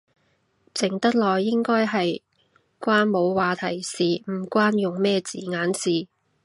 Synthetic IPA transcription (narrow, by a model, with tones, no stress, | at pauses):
t͡sɪ˨˩ŋt̪ɐ˥t̚lɔː˨jːɪ˥ŋkɔː˥jɦɐ˨j | kʷwaː˥nmo˨˧wwaː˨˩t̪ʰɐ˨˩jsiː˨m̩˨˩kʷaː˥njʊ˨ŋmɛː˥t͡sḭː˨˩ŋaː˨˥nsiː˨˩